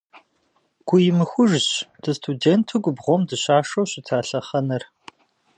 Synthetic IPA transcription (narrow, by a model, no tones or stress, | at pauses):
ɡ̥ʷʊjɪmɨxʷʊʐɕd̥ɐstʰudeːntʰɨɡʷʊbʁʷɔmdɨɕaːʂɐwɕɪtʰaːɬɐχɐnɐr